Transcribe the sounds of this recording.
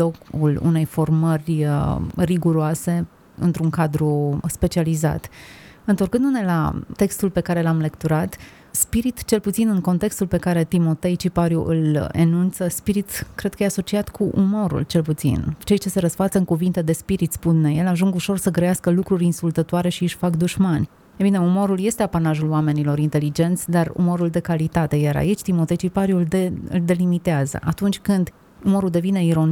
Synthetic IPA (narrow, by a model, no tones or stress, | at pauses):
okṵlṵne̞jfo̞rmərʲ | riɡuɾoase̞ | ɨ̰nt̪ɾuŋkad̪ɾuspe̞t͡ʃializa̰t̪ɨnt̪o̞rkɨnd̪une̞la̰t̪e̞kst̪ulpe̞kaɾe̞lamlekt̪uɾat̪ | spiɾit̪t͡ʃe̞lput̪sinɨŋko̞nt̪e̞kst̪ulpe̞kaɾe̞t̪imo̞t̪e̞jt͡ʃipaɾjṵʔɨlḛnunt̪səspiɾit̪kɾe̞d̪̚kəjeaso̞t͡ʃiat̪kʰuʔumo̞ɾṵlt͡ʃe̞lput̪sḭnt͡ʃe̞jt͡ʃe̞se̞ɾəsfat̪səɨŋkuvint̪e̞d̪e̞spiɾit̪spunneje̞laʒuŋɡuʃo̞rsəɡɾəjaskəlukɾuɾʲinsult̪ət̪oaɾe̞ʃiɨʃʲfakd̪uʒmanʲ | ebine̞umo̞ɾulje̞st̪e̞apanaʒuloame̞nilo̞ɾint̪e̞lid͡ʒe̞nt̪sʲd̪arṵmo̞ɾuld̪e̞kalit̪at̪e̞jaɾa̰it͡ʃʲt̪imo̞t̪e̞jt͡ʃipaɾjuɨ̰ld̪e̞limit̪eazə̰ʔat̪unt͡ʃʲkɨnd̪ | umo̞ɾuld̪e̞vine̞iɾo̞n